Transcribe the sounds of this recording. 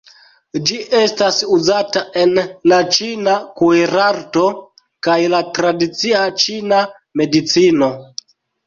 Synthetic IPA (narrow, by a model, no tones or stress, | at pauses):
d͡ʒiʔe̞stasuzataʔe̞nlat͡ʃinakueɾaɾto̞ | kajlatɾadit͡siat͡ʃina | me̞dit͡sino̞